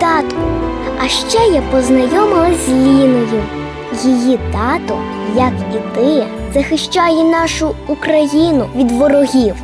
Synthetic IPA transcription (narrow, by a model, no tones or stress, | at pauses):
t̪ɑt̪ɔ̥ɐʃt͡ʃɛjapɔznɐjɔmɪlˠɐzʲlʲinɔjʊ | jijit̪ɑt̪ɔ | jɐkit̪ɪ | zɐxɪʃt͡ʃɑjɛnɑʃʊukɾɐjinʊʋʲid̪ʋɔɾɔɦʲiw